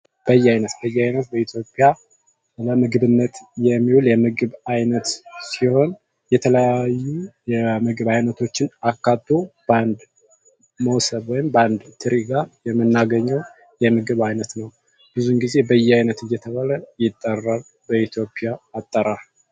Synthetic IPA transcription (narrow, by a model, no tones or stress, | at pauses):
b̥əjːɛajnət̪bəjːɛajnət̪bəit̪ʰjo̞pʼja | ləmɨɡβɨnːət̪jɛmːiwuljɛmɨɡɨβajnət̪siho̞n | jɛt̪ʰələjajːujɛmɨɡɨβajnət̪ʰo̞t͡ʃːɪnakːat̪ːob̥and̪ | məwsəβwɔjɪmband̪t̪ʰɨɾiɡajɛmːɨnːaɡəɲːəw | jɛmɨɡɨβajnət̪nəw | b̥ɨzunɡize̞bəjːɛajnət̪ɨjːɛt̪ʰəβaləjɪt̪ʼːərːal | bəit̪ʰjo̞pʼjaːt̪ʼːəɾa